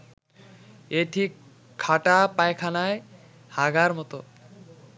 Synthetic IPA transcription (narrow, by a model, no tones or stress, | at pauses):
eʈʰikʰː | aʈapaekʰanae | haɡaɾmɔt̪o